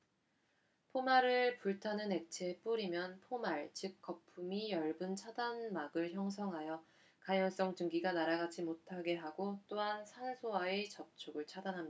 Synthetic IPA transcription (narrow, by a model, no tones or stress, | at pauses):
pʰomaɾɯɭpuɭtʰanɯne̞k̚t͡ɕʰe̞p͈uɾimjʌnpʰomaɭt͡ɕɯk̚k͈ʌpʰumijʌɭbɯnt͡ɕʰadanmaɡɯɭçjʌŋs̬ʰʌŋɦajʌ | kajʌns͈ʌŋt͡ɕɯŋɡiɡanaɾaɡad͡ʑimotʰaɡe̞ɦaɡot͈oɦansʰansʰoaet͡ɕʌp̚t͡ɕʰoɡɯɭt͡ɕʰadanɦamɲida